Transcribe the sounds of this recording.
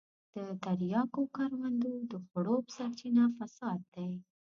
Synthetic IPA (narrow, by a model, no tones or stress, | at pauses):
d̪̥ət̪aɾjɑkokɑɾwand̪od̪əxaɽopə̥saɾt͡ʃinafasɑd̪̚ːaj